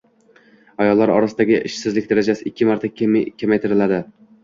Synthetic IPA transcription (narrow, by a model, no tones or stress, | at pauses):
ajɒlˠːaɾɒ̰ɾasɪd̪aɡʲɪʔɪʃsɪzlɪkʲd̪aɾad͡ʒasɪɪkʲʰːɪmaɾt̪ʰakʲʰːemajt̪ʰɪɾɪlad̪ɪ